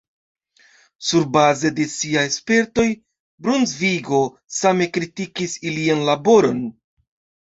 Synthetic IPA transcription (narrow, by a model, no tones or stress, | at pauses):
suɾbaze̞de̞siajespe̞ɾto̞j | bɾunzviɡo̞ | same̞kɾitikisilianlabo̞ɾo̞n